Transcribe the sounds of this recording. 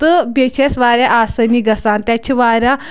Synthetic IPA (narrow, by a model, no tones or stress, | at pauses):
t̪əbet͡ɕʰesʋaɾʲjaʔasəniɡɐsant̪jat͡ɕʰiʋaɾʲa